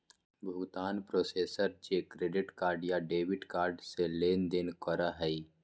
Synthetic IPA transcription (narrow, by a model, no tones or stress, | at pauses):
bʱʊɡt̪aːnpɾoːseːsəɾd͡ʒekɾeːɖɪʈkaːɾɖjaɖeːwɪʈkaːɾɖseleːnd̪ɪnkəɾaɦɛi